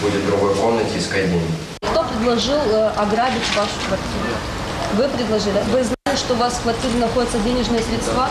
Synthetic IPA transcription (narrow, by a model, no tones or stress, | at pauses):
budʲɪt̪d̪ɾʊɡojkomnətʲiskɐjdʲenʲɪ | kt̪opɾʲɪd̪lˠɐʐɨlˠɐɡɾabʲɪtʲvaʂʊ̥kvɐrtʲiɾʊ̰ | vɨpɾʲɪd̪lˠɐʐɨlʲɪvɨznalʲɪʂt̪oʊvaskvɐrtʲiɾʲɪnɐxo̞dʲɪt̪sədʲenʲɪʐnɨjəsʲɾʲɪt̪st̪va